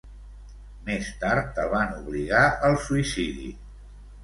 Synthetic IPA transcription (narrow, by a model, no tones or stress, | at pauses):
mest̪aɾt̪əlˠβanuβliɣaʔəlˠsuisiðḭ